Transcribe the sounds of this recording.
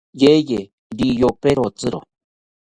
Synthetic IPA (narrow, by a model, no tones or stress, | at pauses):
jeje | dijopeɾot͡sɨɾo̰